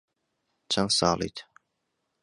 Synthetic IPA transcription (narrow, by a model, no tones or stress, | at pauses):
t͡ʃʰɐnsɑ̰ːlˠḭːt̪ʰ